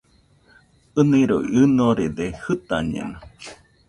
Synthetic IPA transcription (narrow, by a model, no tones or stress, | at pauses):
ɨniɾoɨnoɾed̪ehɨt̪a̰ɲḛna